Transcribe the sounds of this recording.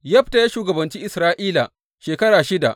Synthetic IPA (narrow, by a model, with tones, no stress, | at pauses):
jɐ˦ɸta˨jaː˦ʃuː˨ɡɐ˨bɐ˨nt͡ʃiː˦ʔɪ˨sɾaː˦ʔiː˦la˨ | ʃeː˨kɐ˦ɽaː˨ʃɪ˦da̰˨ʔ